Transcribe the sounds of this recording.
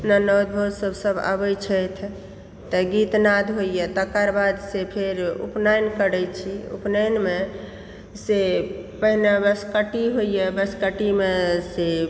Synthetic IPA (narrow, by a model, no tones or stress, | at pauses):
nənəwd̪̚bʱosəbsəba̰bəjt͡ʃʰəjt̪ʰ | t̪əɡit̪nad̪ʱɦojjɛt̪əkaɾbad̪sepʰeɾṵpnajnkəɾɛjt͡ʃʰiṵpnənme | sepəɦnabəskəʈiɦoijɛbəskəʈimese